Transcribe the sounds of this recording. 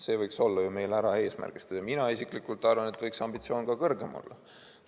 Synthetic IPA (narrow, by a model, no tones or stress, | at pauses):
se̞ːvɤjkso̞lːɑjume̞jlæɾɑe̞ːsmæ̰rɡ̥ist̪eɑminɑisiklikːˑult̪ːˑɑrvɑnet̪vɤjksɑmb̥it̪sio̞ːnkɑkɤrɡ̥e̞mʔo̰lːɑ̰